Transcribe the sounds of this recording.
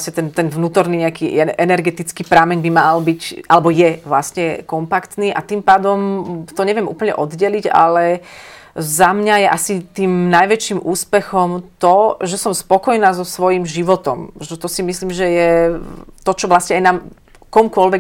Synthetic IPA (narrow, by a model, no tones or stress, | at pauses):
sɲɛt̪ɛnt̪ɛnvnuːt̪ɔɾniːɲɛakiːɛʔɛnɛɾɡɛt̪it͡skiːpɾamɛɲbimalbicalɛbɔjɛʋlasɲɛkɔmpakt̪niːʔat̪iːmpaːd̪ɔmt̪ɔɲɛʋɛmṵːpl̩ɲɛ̰ʔɔd̪ɟɛliɟa̰lɛ | zamɲajɛʔasit̪iːmnajʋɛt͡ʃiːmʔuːspɛxɔmt̪ɔʒɛsɔmspɔkɔjnaːzɔsʋɔjimʒiʋɔt̪ɔ̰mʒɛt̪ɔsimisliːmʒɛjɛ | t̪ɔt͡ʃɔʋlasɲɛajnaːm | kɔmkʊɔlʋɛ